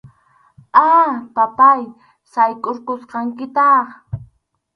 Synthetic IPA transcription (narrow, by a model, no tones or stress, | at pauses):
apapaj | sajkʼoɾqosqɑŋkɪt̪ɑχ